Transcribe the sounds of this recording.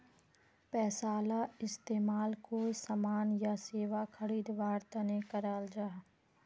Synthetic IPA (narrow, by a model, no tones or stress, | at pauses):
pɛːsaːlaɪst̪eːmaːlkoːsamaːnjaseːʋaxʰəɽiːd̪ʋaːɾt̪anekəɾaːld͡ʒaː